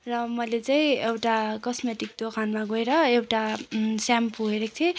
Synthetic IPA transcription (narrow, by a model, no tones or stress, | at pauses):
rʌmʌlet͡saĩewʈakʌsmeʈik̚d̪okʰanmaɡojɾʌewʈasampuɦeɾek̚t̪ʰe